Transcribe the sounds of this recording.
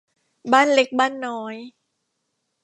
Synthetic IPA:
baː˥˩nle˦˥k̚baː˥˩nːɔː˦˥j

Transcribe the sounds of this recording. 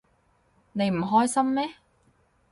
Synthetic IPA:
ne˨˧jm̩˨˩ɦɔː˥jsɐ˥mmɛː˥

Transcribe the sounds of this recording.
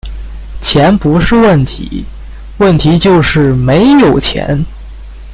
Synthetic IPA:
t͡ɕʰjɛ˧˥npu˧˥ʂɻ̩˥˧wə˥˩nt̪ʰḭ˧˥ | wə˥˩nt̪ʰi˧˥t͡ɕjo˥˧ʊʂɻ̩˥˩me˧˥ɪjo˨˩ʊt͡ɕʰjɛ̰˧˥n

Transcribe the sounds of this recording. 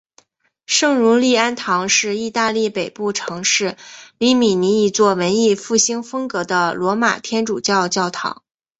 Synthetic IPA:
ʂɤ˥˩ŋɻu˧˥li˥˩a˥nt̪ʰɑ˧˥ŋʂɻ̩˥˧i˥˧t̪a˥˧li˥˩pe˨˩ɪpu˥˩ʈ͡ʂʰɤ˧˥ŋʂɻ̩˥˩li˧˥mi˨˩ni˧˥i˧˥t͡swɔ˥˩wə˧˥ni˥˧fu˥˩ɕi˥ŋfɤ˥ŋkɤ˧˥d̪ə˧lwɔ˧˥ma̰˨˩t̪ʰjɛ˥nʈ͡ʂu˨˩t͡ɕjɑ˥˧ʊt͡ɕjɑ˥˩ʊt̪ʰɑ̰˧˥ŋ

